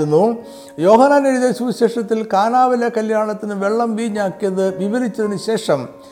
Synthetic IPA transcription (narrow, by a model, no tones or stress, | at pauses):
unːu | jo̞ːɦɐnːaːniɾiðeːɕuʋɕe̞ːʂɐt̪ːilkaːnaːʋɐlɐkɐljaːɳɐt̪ːinɨʋe̞ɭːɐmʋiːɲːaːkːijɐðɨʋiʋɐɾit͡ɕːɐðinɨɕe̞ːʂɐm